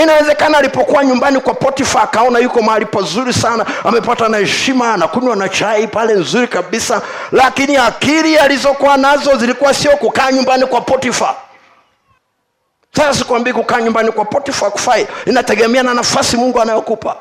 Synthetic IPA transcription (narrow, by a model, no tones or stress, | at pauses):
inawɛzɛkanaːlipɔkuwaɲumbanikwapɔtifakaɔnajukɔmaalipazuɾisanaamɛpatanahɛʃimaːnakuɲwanat͡ʃaipalɛnzuɾikaɓisalakiniakiɾializɔkuanazɔzilikuwasiɔkukaːɲumbanikwapɔtifa | sasasi̥kuwambiakukaːɲumbanikwapɔtifaku̥faiinatɛɠɛmɛananafasimuŋɡuanajɔkupa̰